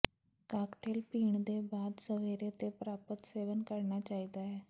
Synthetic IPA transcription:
kakʈʰelpiːɳd̪ebad̪səʋeɾet̪epɾapət̪seʋənkəɾɳat͡ɕaɦit̪aɦe

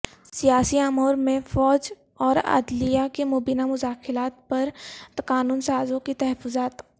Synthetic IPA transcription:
sijaːsiamoːɾmẽfɔːd͡ʒ | ɔːɾɐ̰d̪lijakemoːbiːnamʊzaːxɪlaːt̪̚pɐɾt̪kaːnuːnsaːzõkit̪ɐɦəfʊzaːt̪

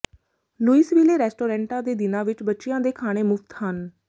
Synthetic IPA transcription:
luːisʋiːleːɾɛːsʈoːɾɛ̃ːɳʈãːd̪eːd̪ɪnãːʋɪt͡ʃbətːʃɪjãːd̪eːkʰaːɽ̃eːmʊkt̪ɦən

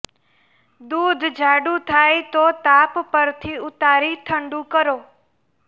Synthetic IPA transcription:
d̪ud̪ʱd͡ʒʱaɽũt̪ʰajt̪ot̪appəɾt̪ʰiʊt̪aɾit̪ʰəɳɖũkəɾoː

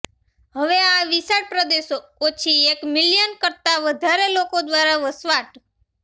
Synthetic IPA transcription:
ɦəʋeaʋisaʈ̚pɾəd̪eʃoot͡ʃʰiekmɪljənkəɾt̪aʋəd̪ʱaɾelokod̪ʋaɾaʋəsʋaʈ

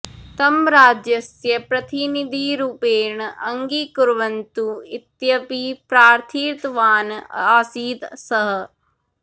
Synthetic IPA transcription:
t̪ɐmɾaːd͡ʒjɐsjɐpɾɐt̪inid̪ʱiɾupeːɾɳɐʔɐŋɡikuɾʋɐnt̪uit̪jɐpipɾaːɾt̪ʰiːɾt̪ʋaːnaːsiːd̪sɐɦɐ̆

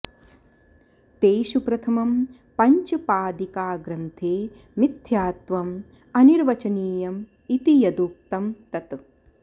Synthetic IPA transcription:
t̪eːʃupɾɐt̪ʰɐmɐm | pɐɲt͡ʃɐpaːd̪ikaːɡɾɐnt̪ʰeː | mid̪ʰʱjaːt̪ʋɐm | ɐniɾʋɐt͡ʃɐniːjɐm | it̪ijɐd̪uːk̚t̪ɐmt̪ɐt̪

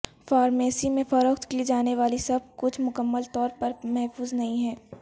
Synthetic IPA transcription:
faːɾmeːsimẽfɐɾəkt̪kid͡ʒaːneʋaːlisɐb̚ʱkʊt͡ʃʰmʊkəmːəlt̪ɔːɾpɐɾmɛɦfuːznɐɦĩɦɛː

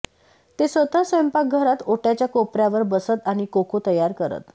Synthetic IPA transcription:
t̪esʋət̪əsʋəmpak̚ɡʱəɾat̪oʈjat͡ɕjakopɾjaʋəɾbəsət̪aɽ̃ikokot̪əjaɾkəɾə̰t̪

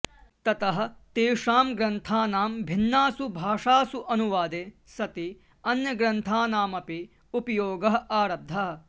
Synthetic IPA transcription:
t̪ɐt̪ɐɦɐ̆t̪eːʂaːmɡɾɐnt̪ʰaːnaːmbʱinːaːsubʱaːʂaːsuʔɐnuʋaːd̪eː | sɐt̪i | ɐnjɐɡɾɐnt̪ʰaːnaːmɐpi | upɐjoːɡɐɦɐ̆ʔaːɾɐb̚d̪ʱɐɦɐ

